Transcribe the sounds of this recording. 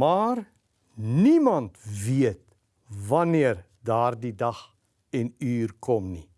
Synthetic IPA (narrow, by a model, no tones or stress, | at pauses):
maːr | nimɐntviət̚ | vɐniər | dɑːrdidɐχ | ɛnyːrkʰɔmni